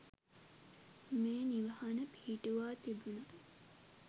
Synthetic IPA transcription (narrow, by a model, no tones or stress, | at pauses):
meːniʋɐhɐnəpihːʈuʋaːt̪ibunɐ